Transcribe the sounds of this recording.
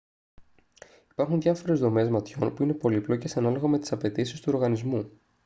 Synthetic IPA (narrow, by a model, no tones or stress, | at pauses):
i̥pɐɾxunðʝɐfo̞ɾe̞zðo̞me̞zmɐt̪ço̞npuine̞po̞liplo̞cesɐnɐlo̞ɣɐme̞t̪i̥sɐpe̞t̪isist̪uo̞ɾɣɐnizmu